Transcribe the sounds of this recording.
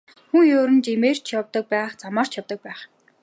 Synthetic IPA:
xuŋjoːɾɘ̆nt͡ɕemeːr̥t͡ɕʰjɔwt̪ɞ̆k̚pæːχt͡samaːr̥t͡ɕʰjawt̪ɞ̆k̚pæːχ

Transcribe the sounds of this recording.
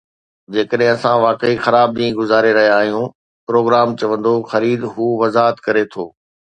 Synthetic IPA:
d͡ʑeːkəɗɦɪ̃ɐsãʋaːkeixɐɾaːb̚ɗĩːɡʊzaːɾeɾɐɦijaːɦijũː | pɾoːɡɾaːmt͡ɕɐʋə̃nd̪oxɐɾiːd̪ɦuːʋɐzaːɦət̪kɐɾet̪ʰo̰ː

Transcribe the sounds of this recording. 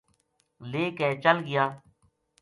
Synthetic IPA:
leːkɛ̃ːt͡ʃəlɡɪjaː

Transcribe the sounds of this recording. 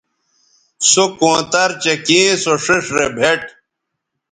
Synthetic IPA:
sokõːt̪ɐɾt͡ɕekĩːsoʂiʂɾebʱeʈ

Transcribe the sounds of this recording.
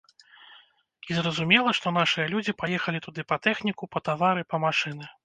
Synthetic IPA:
izrɐzumʲɛlˠɐʂt̪ɔn̪aʂɨjɐlʲud͡zʲipajɛxɐlʲit̪ud̪ɨpɐt̪ɛxnʲikupɐt̪avaɾɨpɐmaʂɨnɨ

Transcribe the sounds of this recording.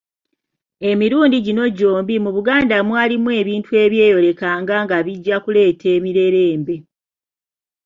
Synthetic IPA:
e̞miɾuːndiɟino̞ɟo̞ːmbimuβuɡaːndamwaːlimue̞ːβiːntue̞βjeːjo̞ɾe̞kaːŋɡaŋɡaβiɟːakule̞ːtʰe̞ːmiɾe̞ɾe̞ːmbe̞

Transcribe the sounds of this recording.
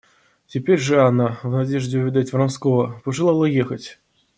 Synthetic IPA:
tʲɪpʲeɾʲʐɨanavnadʲeʐdʲɪʊvʲɪd̪atʲvranskɔvəpəʐɨlˠalˠɐjexətʲ

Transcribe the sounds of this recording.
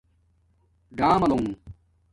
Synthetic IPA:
ɖaːmɐloŋ

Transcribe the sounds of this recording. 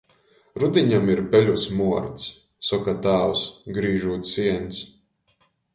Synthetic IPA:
ɾud̪ʲiɲamiɾpʲɛʎʲusmuɔɾt̪s | sɔkat̪aːwsɡɾiːʒuːt̪siɛns

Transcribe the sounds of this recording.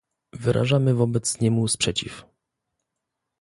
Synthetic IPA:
vɘɾʔa̰ʐamɘvɔbɛt̪sɲɛmuspʂɛt͡ɕḭf

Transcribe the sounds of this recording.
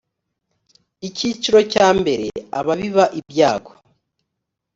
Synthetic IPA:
icit͡ʃiɾo̞caːmbe̞ɾe̞̰a̰βaβiβaʔibjaːɡo

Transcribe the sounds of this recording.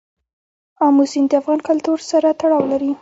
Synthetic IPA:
ɑmusind̪əafɣɑnkalt̪uɾsaɾat̪aɽɑwlaɾi

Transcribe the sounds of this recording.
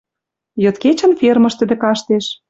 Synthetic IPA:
jɤ̆t̪ket͡ɕə̆nfermɤ̆ʃt̪ə̆d̪ĕkɑʃt̪eʃ

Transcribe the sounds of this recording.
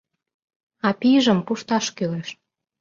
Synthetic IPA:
ɑpiʒə̆mpuʃt̪ɑʃkyleʃ

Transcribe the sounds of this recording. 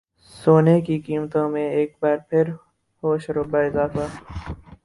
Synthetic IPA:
soːnekikiːmt̪õmẽeːk̚baːɾpʰɪɾ | hoːʃɾobaːɪzaːfa

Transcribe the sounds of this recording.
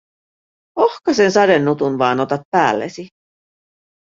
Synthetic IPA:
ohkɑsensɑdenːut̪unʋɑːnot̪ɑt̪̚pæːlːḛsi

